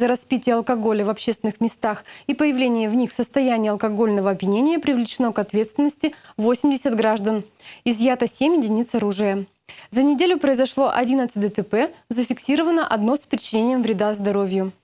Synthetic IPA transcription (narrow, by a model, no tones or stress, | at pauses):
zəɾɐspʲitʲɪjəɐlˠkɐɡo̞lʲəvɐpɕːest̪vʲɪnɨxmʲɪst̪axipəjɪvlʲenʲɪjəvnʲixfsəst̪ɐjænʲɪjɐlˠkɐɡo̞lʲnəvəɐbjɪnʲenʲɪjəpɾʲɪvlʲɪt͡ɕɪno̞kɐt̪vʲe̞t̪st̪vʲɪnːəsʲtʲɪvo̞sʲɪmdʲɪsʲət̪ɡɾaʐd̪ənɪzjat̪əsʲemʲɪdʲɪnʲit̪sɐɾuʐɨjə | zənʲɪdʲelʲʊpɾəɪzɐʂlˠo̞ʔɐdʲinət̪sɨt̚ʲd̪ət̪ɛpɛzəfʲɪksʲiɾəvənəʔɐd̪no̞spɾʲɪt͡ɕɪnʲenʲɪjəmvɾʲɪd̪azd̪ɐɾo̞vʲjʊ